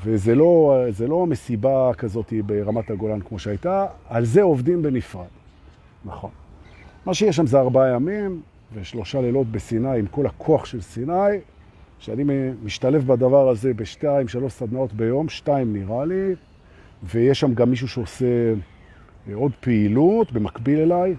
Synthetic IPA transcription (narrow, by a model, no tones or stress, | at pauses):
vezelo̞zelo̞me̞sibakazo̞tibeʁamataɡo̞lankmo̞ʃeajtaːlzeo̞vd̪imbe̞nifʁad̥ | naχo̞nmaʃejeʃ̬amzeaʁbaajamim | veʃlo̞ʃalelo̞tbe̞sinajimko̞lhakʰoaχʃe̞lsinaj | ʃeanimiʃtale̞fbad̪avaʁaze̞beʃtaimʃalo̞ʃsad̪nao̞tbe̞jo̞mʃtaimniʁali | vejeʃːamɡamːiʃ̬uʃeose | o̞d̪peilutbe̞makbile̞laj